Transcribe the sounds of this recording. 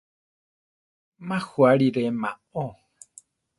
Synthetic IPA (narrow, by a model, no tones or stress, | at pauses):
mãhuaɾiɾemã | o